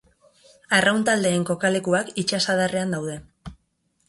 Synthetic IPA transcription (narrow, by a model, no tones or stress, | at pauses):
arʔawnt̪ald̪e̞ːŋko̞kale̞kuakit͡ʃasaðare̞and̪awðe̞